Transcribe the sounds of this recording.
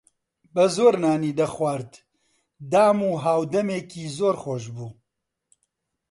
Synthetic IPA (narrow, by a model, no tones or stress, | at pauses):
bɐzoːɾnaːniːd̪ɐxwaːɾt̪ | d̪aːmuːɦaːwd̪ɐmeːkiːzoːɾxoːʃbuː